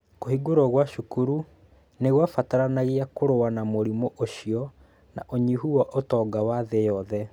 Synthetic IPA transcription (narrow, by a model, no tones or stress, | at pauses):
kohiɡoɾɔɣwaʃukuɾu | neɣwafataɾanaɣiakoɾoanamoɾimɔʔoʃiɔ | na̰ʔoɲiɦuwɔʔotɔɡawaðejɔðɛ